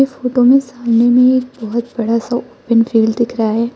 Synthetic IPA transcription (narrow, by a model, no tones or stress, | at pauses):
efoːʈomẽsaːmnemẽeːk̚bɔɦʊt̪bɐɽasaoːpənfiːlɖd̪ɪkʰɾaaɦɛː